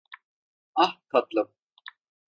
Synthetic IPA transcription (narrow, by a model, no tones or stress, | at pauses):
ahkʰat̪lˠɯm